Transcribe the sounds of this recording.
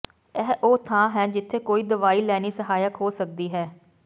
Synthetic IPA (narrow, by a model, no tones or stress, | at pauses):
ɛːʔoːt̪ʰãːɦɛːd͡ʒɪt̪ʰːeːkoːiːd̪əʋaːiːlɛːniːsəɦaːjəkɦoːsək̚d̪iːɦɛː